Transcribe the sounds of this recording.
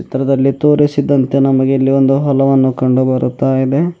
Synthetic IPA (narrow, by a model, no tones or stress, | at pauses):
t͡ʃit̪ɾɐd̪ɐlːit̪o̞ːɾisid̪ːɐnt̪e̞nɐmɐɡeilːio̞nd̪uɦɔlɐʋɐnːukɐɳɖubɐɾut̪ːaːjid̪e̞